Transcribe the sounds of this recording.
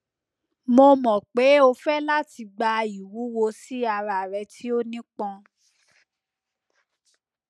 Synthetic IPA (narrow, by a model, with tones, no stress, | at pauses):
mo˧mɔ̃˨k͡pe˨˦o˧fɛ˦la˦ti˧ɡ͡ba˧i˨wu˨˦wo˧si˦a˧˨ɾa˨ɾɛ˧tʰi˦o˦nĩ˦k͡pɔ̃˧